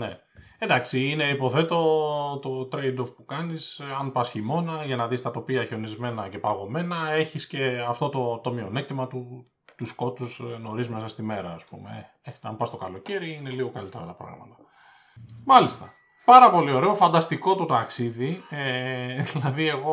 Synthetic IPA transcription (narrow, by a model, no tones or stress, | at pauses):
ne̞̰ | end̪ɐksiine̞ipo̞θe̞t̪o̞t̪o̞t̪ɾejd̪ofpukɐnisɐnpɐsçimo̞nɐʝɐnɐðist̪ɐt̪o̞piɐçeo̞nizme̞nɐce̞pɐɣo̞me̞nɐe̞çisce̞ɐft̪o̞t̪o̞t̪o̞mio̞nek̚t̪imɐt̪u | t̪usko̞t̪usno̞ɾizmesɐst̪ime̞ɾɐːspṵme̞̰e | eɐ̰mpɐst̪okɐlo̞ce̞ɾiine̞liɣo̞kɐlit̪e̞ɾɐ̰t̪ɐpɾɐ̰ɣmɐt̪ɐ̥ | mɐlist̪ɐ | pɐɾɐpo̞lio̞ɾe̞o̞fɐnd̪ɐst̪iko̞t̪ot̪ɐksiðieðilɐðie̞ɣo̞